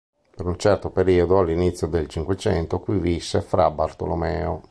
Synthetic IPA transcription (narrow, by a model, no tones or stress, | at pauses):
peɾunt͡ʃɛrt̪opeɾiːod̪oalːinit̪sːjod̪elt͡ʃiŋkwet͡ʃɛ̰nt̪okwivisːefɾabart̪o̰lomɛːo